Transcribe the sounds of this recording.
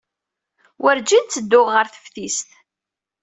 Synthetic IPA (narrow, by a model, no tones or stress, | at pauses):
wəɾd͡ʒint̪t͡sːəd̪ːʊʁːəɾθə̥fθist̪